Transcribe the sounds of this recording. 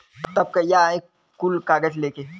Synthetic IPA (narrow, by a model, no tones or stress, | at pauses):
t̪t̪ɐb̚kajaekː | ulkaːɡəd͡ʒleːke